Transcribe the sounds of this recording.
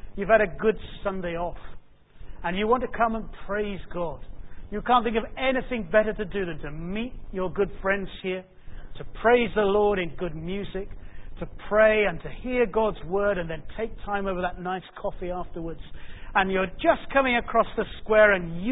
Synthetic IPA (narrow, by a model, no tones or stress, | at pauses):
jʉv̥ɨɾɨɡʊdsʌ̃ndeɪɔf | ə̃njɨwɑ̃ntɨkʰʌ̃mə̃npʰɹ̥eɪzɡɑd̥jɨkʰæ̃nθɪ̃ŋkʌvɛnɨθɪ̃ŋbɛɾə˞ɾɨdɨðɨ̃ntʰɨmit͡ʃə˞ɡʊd̥fɹɛ̃ndz̥hiɹ | ɾɨpʰɹ̥eɪzðəlɔɹɾɨ̃nɡʊd̚mjʉzɪk̚tʰɨpʰɹ̥eɪɨ̃ntʰɨhiɹɡɑdzwɜ˞ɾɨ̃nðɨ̃ntʰeɪk̚tʰãɪ̃moʊvə˞ðətⁿnaɪskʰɔfiæftə˞wə˞dz̥ə̃njə˞d͡ʒʌskʰʌmɪ̃ŋɨkʰɹ̥ɔsðɨskwɛɹɨ̃nj